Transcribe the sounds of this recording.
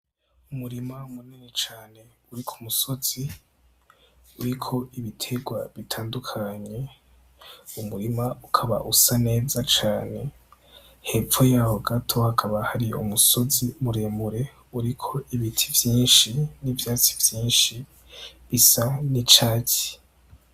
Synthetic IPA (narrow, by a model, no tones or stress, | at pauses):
umuɾimaumuninet͡ʃaːne̞ | uɾikʰu̥muso̞z̥i | uɾikʰo̞iβitʰe̞ɡwaβitʰaːndukʰaɲe̞ | umuɾimaukʰaβa̰ʔusane̞ːzat͡ʃaːne̞ | he̞fojahoɡatʰo̞hakʰaβahaɾiṵmuso̞zimuɾeːmuɾe̞ | uɾikʰo̞ʔiβitʰivjiːnʃinivjaːt͡si̥vjiːnʃi | βisanit͡ʃaːci̥